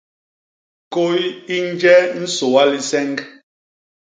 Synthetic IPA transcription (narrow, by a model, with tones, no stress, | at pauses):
ko˦ji˦n˦d͡ʒɛ˦n̩˦so˨wa˦li˨sɛ˦ŋk